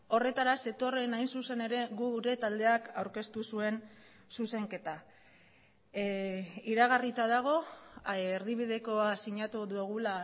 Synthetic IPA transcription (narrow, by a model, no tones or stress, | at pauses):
o̞re̞t̪aɾase̞t̪o̞re̞najnsuse̞ne̞ɾe̞ɣuɾe̞t̪ald̪e̞akawɾke̞st̪usue̞n | suse̞ŋke̞t̪a | iɾaɣ̞arit͡s̪aðaɣ̞o̞ | eɾðiβ̞ið̞e̞koasiɲat̪uðueɣ̞ula